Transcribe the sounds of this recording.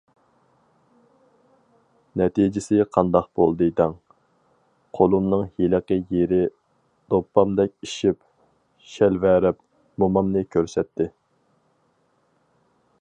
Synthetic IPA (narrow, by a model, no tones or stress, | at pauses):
nɛt̪id͡ʒɪsɪqʰɑnd̪ɑqbolˠd̪ɨd̪ɛŋ | qʰolˠumnɨŋheləqəjeɾɪ | d̪̥opːɑmd̪ɛk̚ʲiʃip | ʃɛlvæɾɪp | momɑmnɨkʲʰøɾsɛt̪ʰːɪ